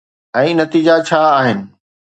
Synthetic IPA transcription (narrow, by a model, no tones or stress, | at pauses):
ɛ̃ːnɐt̪iːd͡ʑat͡ɕʰaːɦɪnɪ̆